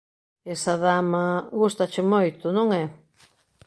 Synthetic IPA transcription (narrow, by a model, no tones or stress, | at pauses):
esaðamɐɣust̪ɐt͡ʃɪmojt̪ʊnõŋɛ